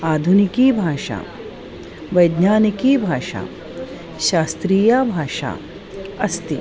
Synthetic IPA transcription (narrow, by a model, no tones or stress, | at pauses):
aːd̪ʱunikiːbʱaːʃa̰ː | ʋɐjd̪naːnikiːbʱaːʃa̰ː | ʃaːst̪ɾiːjaːbʱaːʃa̰ː | ɐst̪i